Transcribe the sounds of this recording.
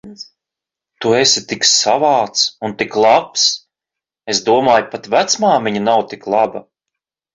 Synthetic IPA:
t̪uesʲit̪iksavaːt̪sunt̪iklˠaps | esd̪uɔmaːjpat̪væt̪smaːmiɲanawt̪iklˠaba

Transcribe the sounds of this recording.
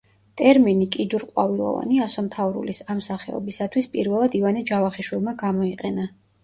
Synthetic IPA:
t̪ʼɛɾminikʼid̪uɾqʼwavilˠɔ̰va̰niasɔmt̪ʰavɾṵlisamsaχɛɔ̰bisat̪ʰwispʼiɾvɛlˠad̪ivanɛd͡ʒavaχɛʃwilˠmaɡamɔiqʼɛna

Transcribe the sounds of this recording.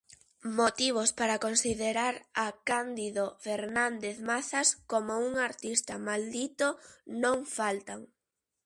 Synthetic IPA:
mot̪iβ̞ospaɾakonsiðeɾaɾakand̪iðofeɾnand̪eθmaθaskomouŋaɾt̪ist̪amald̪it̪onõŋfalt̪aŋ

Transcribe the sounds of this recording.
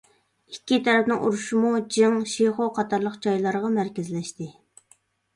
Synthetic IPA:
ikʲːit̪ʰɛɾɛpnɪŋṵɾuʃumud͡ʒɨŋʃeχoqʰɑt̪ʰɑɾlˠəqd͡ʒɑjlˠɑɾəʁɑmæɾkʲɪzlɛʃt̪ɪ

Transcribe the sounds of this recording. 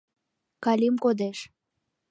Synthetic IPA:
kɑlimkod̪eʃ

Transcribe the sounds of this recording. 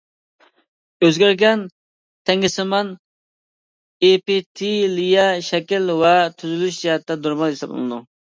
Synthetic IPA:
øzɡʲæɾɡʲɛn | t̪ʰɛŋʲɪsɪmɑn | epit̪ʰilijɑʃɛkʲilwɛt̪ʰyzylyʃd͡ʒiɦɛt̪ːɛd̪uɾmɑljisɑplˠɨ̰nɨd̪u

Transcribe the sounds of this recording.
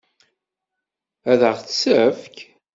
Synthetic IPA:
æðəʁθsæfk

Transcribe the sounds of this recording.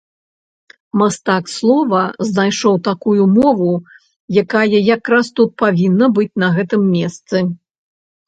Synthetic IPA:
mast̪akslˠɔvɐznajʂɔwt̪akujumɔvu | jakajɐjakɾast̪ut̪̚pavʲinːɐbɨt͡sʲnɐɣɛt̪ɨmːʲɛst̪sɨ

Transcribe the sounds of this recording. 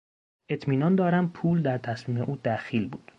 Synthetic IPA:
ʔe̞t̪ʰmiːnɒnd̪ɒːɾæmpʰuːld̪æɾt̪ʰæsmiːme̞ʔuːd̪æxiːlbuːd̪̥

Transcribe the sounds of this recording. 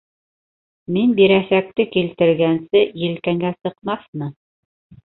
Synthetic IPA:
minbiɾæsæk̚t̪ɘkilt̪ɘ̆ɾɡænsɘjɘ̆lkæŋɡæsɤ̆qmɑθmɤ

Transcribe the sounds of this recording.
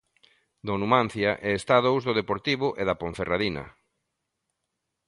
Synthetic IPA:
d̪onumãn̟θjaʔɛest̪aðowzðʊðepoɾt̪iβʊʔeðapoɱ̟feraðinɐ̰

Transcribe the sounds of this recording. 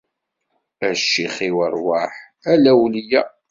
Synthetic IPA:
æʃːiχiwərˤwaħ | ælæwlijæ

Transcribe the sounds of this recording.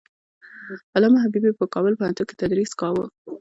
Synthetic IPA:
alɑmaɦabibipəkɑbəlpəhant̪unke̥t̪ad̪ɾiskɑwə

